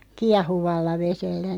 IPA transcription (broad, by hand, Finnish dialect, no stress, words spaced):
kiɑhuʋɑlːɑ ʋeselːæ